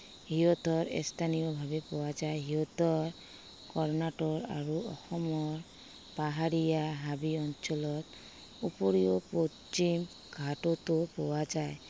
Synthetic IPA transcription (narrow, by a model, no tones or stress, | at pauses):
hiɦɔt̪ɔɾḛst̪ʰanijɔbʱabepɔwad͡ʒajɦiɔt̪ɔɹ | kɔɾnaʈɔɹa̰ɾuɔ̰xɔmɔɹ | paɦaɾijaɦabiɔnt͡ʃɔlɔt̪ | upɔɾijɔpo | t͡ʃim | ɡʱatɔt̪opɔwad͡ʒaj